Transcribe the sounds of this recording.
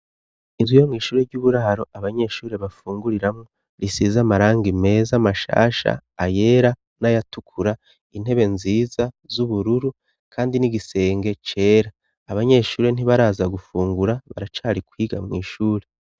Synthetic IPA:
inzwijo̞mŋiːʃuːɾe̞ɾɟuβuɾaɾo̞ʔaβaɲe̞ʃuːɾe̞βafuːŋɡuɾiɾamŋo | ɾisizamaɾaːŋɡime̞ːzamaʃa̰ːʃa̰ːje̞ːɾa | najatukʰuɾa | in̥he̞βe̞nziːzazuβuɾuɾu | kʰaːndiniɡise̞ːŋɡe̞t͡ʃe̞ːɾaː | βaɲe̞ʃuːɾe̞n̥iβaɾaːzaɡufuːŋɡuɾaβa̰ɾat͡ʃaːɾikwiːɡa̰mŋiːʃuːɾe

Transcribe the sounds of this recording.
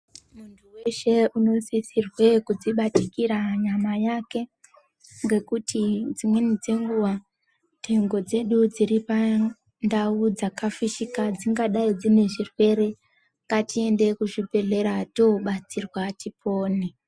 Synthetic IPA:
muntʰuwe̞ʃe̞uno̞sisirwe̞kud͡ziɓatikiɾaɲamajake̞ | ŋɡe̞kutʰid͡zimwenid͡ze̞ŋɡuʋa | tʰe̞ŋɡo̞d͡ze̞ɗud͡ziɾipa | ndaud͡zakafiʃikad͡ziŋɡaɗaid͡zine̞ʐirwe̞ɾe̞ | ŋɡatie̞nde̞kuʐipe̞ɮe̞ɾatoɓat͡sirwatipo̞ːni

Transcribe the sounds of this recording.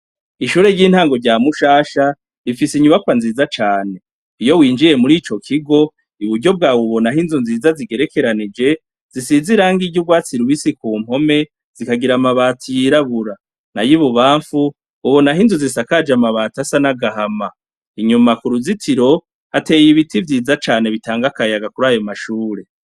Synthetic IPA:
iʃuːɾe̞ɾɟiːn̥haːŋɡo̞ɾɟaːmuʃaːʃa | ɾifisiɲuβakwanziːzat͡ʃaːne̞ | ijo̞wiːnd͡ʒije̞muɾiːt͡ʃo̞kʰiɡo̞ | iβuɾɟo̞b̚ɡaːwuβo̞naɦinzunziːzaziɡe̞ɾe̞ke̞ɾanid͡ʒe̞ | z̥isiziɾaːŋɡiɟuɡwaːt͡siɾuβisikuːm̥o̞me̞ | z̥ikaɡiɾamaβaːtʰojiɾaβuɾa | najiβuβaːɱfuː | βo̞naɦinzuzisakad͡ʒamaβaːtasanaɡaɦama | iɲumakuɾuzitʰiɾo̞ | hate̞jiβitivjiːzat͡ʃaːne̞βitaːŋɡakajaɡakuɾajo̞maʃuːɾe̞

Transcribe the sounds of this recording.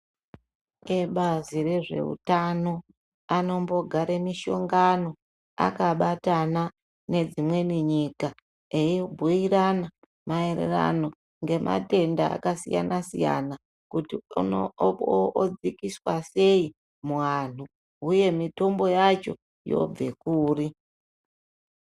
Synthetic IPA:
eɓazire̞ʐe̞̰ṵtano̞ | ano̞mbo̞ɡʱaɾemiʃo̞ŋɡano̞ | a̰kaɓatana | ne̞d͡zimwe̞niɲika | eobʱuiɾana | maerḛra̰no̞ | ŋɡe̞mʔa̰te̞ndaa̰kasḭja̰nasḭja̰na | kuti | d͡zikiswase̞i | muʋan̤u | uje̞mito̞mbo̞jat͡ʃo̞̰ | jo̞̰b͡ve̞kuːri

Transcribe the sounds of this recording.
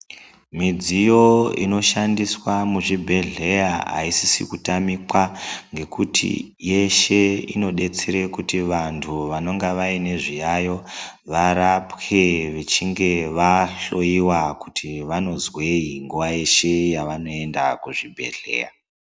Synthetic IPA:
mid͡zijo̞ḭno̞ʃandiswamuʐibʱe̞ɮe̞jaɦa̰isisḭkutamikwaŋɡe̞kutʰḭje̞ʃe̞ḭno̞ɗe̞t͡seɾe̞kutiʋantʰuʋano̞ŋɡaʋaine̞ʐijajo̞ | ʋaɾapkeʋet͡ʃiŋɡe̞ʋaɬo̞jiwakutʰiʋano̞zwe̞iŋɡuʋaje̞ʃe̞jaʋano̞e̞ndakuʐibʱe̞̰ɮe̞̰ːja

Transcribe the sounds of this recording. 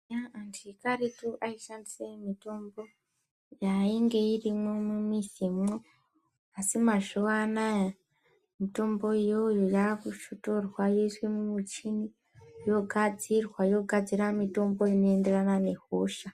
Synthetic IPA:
jaandiikaɾituʔaiʃandisemito̞mbo̞ | jaiŋɡe̞irimomumisimo | asimaʒuʋanaja | mito̞mbo̞ijojojakuʃoto̞rwajo̞iswemumut͡ʃini | jo̞ɡʱad͡zirwajo̞ɡʱad͡ziramito̞mbo̞ino̞ende̞ranane̞ɦoːʃa

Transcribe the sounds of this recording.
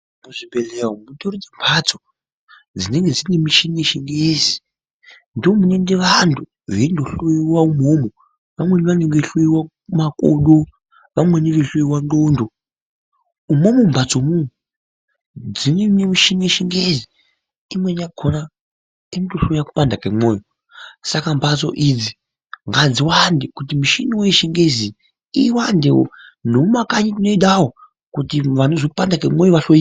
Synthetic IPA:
muʐibelewomutoɾod͡zembʰʱat͡so | d͡zine̞ŋɡed͡zinemiʃineʃiŋɡezi | ndiomunendeʋantʰu | ʋendoɬuiwaumomo | ʋamwe̞niʋaneŋɡeɬuiwa | umako̰ɗo | ʋamwe̞niʋeɬuiwandondo | umomumbʱat͡somu | d͡zinenemiʃinieʃiŋɡezi | imweɲaɡʰʱona | inotoɬuaku̥pandakemwoːjo | sakambat͡so̰ʔid͡zi | ŋɡad͡ziwandikut̬imuʃiniweʃiŋɡezi | iwandewo̰noumakaɲitinoiɗawo | kutiʋanozopandakemojoʋaɬoi

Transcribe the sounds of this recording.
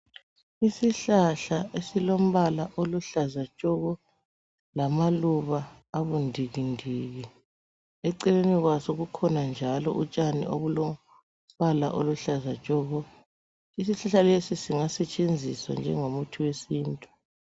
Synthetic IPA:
isiɬaɬaesilom̩βalaʔoluɬazat͡ʃʼɔɣɔ | lamaluβaː | βundʱiɣindʱiɣi | ɛǀɛleniɣwasoɣukʰɔnand͡ʒʱalɔʔut͡ʃʼanḭoβulo | βala̰ʔoluɬazat͡ʃʼɔɣɔ | isiɬaɬalesisiŋasɛt͡ʃʼend͡zʱiswa̰nd͡ʒʱɛŋomutʰuwesiːntʼu̥

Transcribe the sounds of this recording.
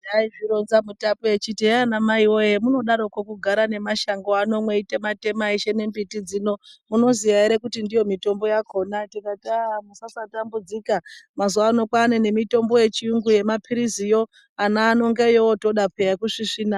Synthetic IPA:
daiʐiɾonzamutapeet͡ʃitianamaiwo̞jemuno̞ɗaɾokokuɡʱaɾane̞maʃaŋɡoano̞mweitemate̞maeʃe̞ne̞mbitid͡zino̞muno̞ziʋaeɾe̞kutindijo̞mito̞mbo̞jako̞natikatamusasatambud͡zikamazuaːno̞kwanene̞mito̞mbo̞je̞t͡ʃiuŋɡuje̞mapʰiɾizijo̞ | anaːno̞ŋɡejowoto̞ɗapejakuʂiʂiːna

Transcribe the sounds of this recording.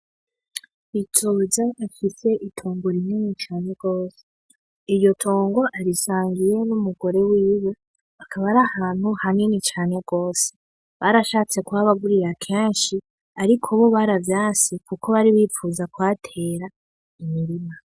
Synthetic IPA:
itʰozaafise̞ʔitʰoːŋɡoɾinenit͡ʃaːne̞ɡ̥o̞ːse | iɾjo̞tʰoːŋɡo̞ʔaɾisaːŋɡije̞numuɡo̞ɾe̞wiːwo | akʰaβaɾahaːn̥huhaŋenit͡ʃaːne̞ɡ̥o̞ːse | βaɾaʃaːt͡se̞kwaːβaɡuɾiɾakʰe̞ːnʃi | aɾikʰoβoβaɾavjaːsikuko̞βaɾiβifuːzakwaːtʰe̞ːɾa | imiɾima

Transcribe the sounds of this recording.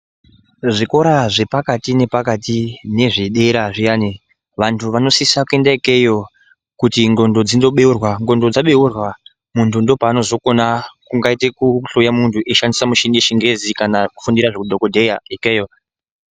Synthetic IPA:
ʐiko̞ɾaʐe̞pakatine̞pakatine̞ʐiɗe̞ɾaʐijane | ʋantʰuʋano̞sisakue̞ndaikejo̞ | kutiŋɡo̞ndo̞d͡zindo̞ɓe̞urwaŋɡo̞ndo̞d͡zaɓe̞urwa | muntʰundo̞paːno̞zo̞ko̞nakuŋɡaitekuɬojamuntʰuʔeʃandisamuʃiŋdeʃiŋɡe̞zikanakufundiɾaʐekudʱo̞ko̞dʱe̞jaikeːjo

